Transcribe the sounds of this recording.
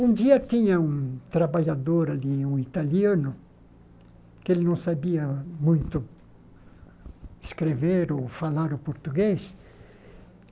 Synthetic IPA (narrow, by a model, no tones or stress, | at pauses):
ũnd̪iɐt̪ĩɲɐũt̪ɾabaʎad̪oɾaliũit̪aliɐ̃nʊ | kelɪnɐ̃w̃sabiɐmũj̃t̪ʊ | ɪskɾeveɾofalaɾʊpoɾt̪uɡes